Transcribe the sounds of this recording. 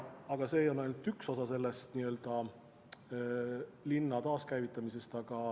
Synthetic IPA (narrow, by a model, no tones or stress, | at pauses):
ɑɡ̥ɑse̞ːjonɑjlnt̪ːykso̞sɑse̞lːest̪niø̞ld̪̥ɑ | linːɑt̪ɑːskæjvit̪ˑːɑmise̞st̪ɑɡ̥ɑ